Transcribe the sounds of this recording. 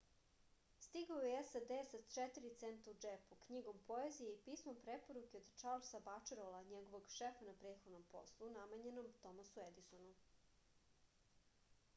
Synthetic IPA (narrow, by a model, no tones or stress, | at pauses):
st̪iɡaojeesad̪esat͡ʃɛt̪iɾit̪sent̪aud͡ʒepukɲiɡo̞mpo̞ezijeipiːsmo̞mpɾepo̞ɾukeod̪t͡ʃaɾlsabat͡ʃeɾolaɲeɡo̞ʋoɡʃefanapɾeːt̪xo̞d̪no̞mpo̞̰slˠunamaɲe̞no̞mt̪o̞masued̪isonu